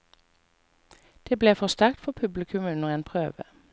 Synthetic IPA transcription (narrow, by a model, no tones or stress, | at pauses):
d̪̥eːbleːfɔʁst̪æʁk̚t̪fɔpʰʉblɪkʰʉmʉnəʁeːnpʰʁøːʋə̰